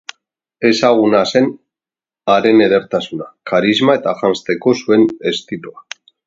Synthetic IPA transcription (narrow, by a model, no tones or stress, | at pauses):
e̞saɣ̞unase̞n | aɾe̞ne̞ðe̞ɾt̪asunakaɾizmae̞t̪aʝanst̪e̞ko̞sue̞ne̞st̪iloa